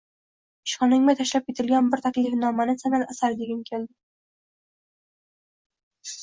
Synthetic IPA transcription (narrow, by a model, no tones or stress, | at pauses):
ɪʃχɒnɪŋmat̪ʰaʃlap̚kʲʰet̪ʰɪlɡʲanbɪɾt̪ʰakʲlifnɒmanɪsanalasaɾd̪eɡʲankʲʰeld̪ɪ